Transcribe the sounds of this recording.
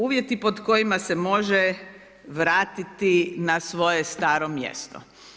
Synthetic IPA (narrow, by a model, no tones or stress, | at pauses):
uːʋjet̪ipo̞d̪ko̞jimasemo̞ʒɛ | ʋɾaːt̪it̪inasʋo̞jest̪aːɾomjḛst̪o̰